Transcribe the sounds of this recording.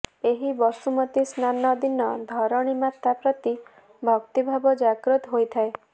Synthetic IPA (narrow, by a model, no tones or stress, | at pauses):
eɦibɔsumɔt̪isnanɔd̪inɔd̪ʱɔɾɔɽ̃imat̪ːapɾɔt̪i | bʱɔkt̪ibʱabɔd͡ʒaɡɾɔt̪ɦojt̪ʰae